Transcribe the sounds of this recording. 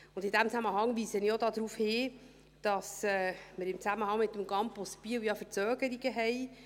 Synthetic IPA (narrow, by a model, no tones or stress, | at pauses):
ʊnd̥ɪd̥æmt͡sæməɦɑŋviːsəniodɑːd̥̪ɾuːfhɪː | d̥ɑsɛːməɾɪmt͡sæməhɑŋmɪt̪ːəmɡɑmpospiəwjɑfəɾt͡søːɡ̥əɾiɡəɦɛɪ